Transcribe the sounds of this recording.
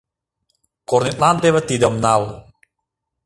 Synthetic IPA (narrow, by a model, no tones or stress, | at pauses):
kɔrnit̪̚lant̪ɛwɛt̪idamnaw